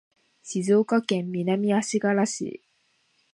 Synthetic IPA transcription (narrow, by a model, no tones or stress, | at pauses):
sizokɔkɛmminamiasikalasḭ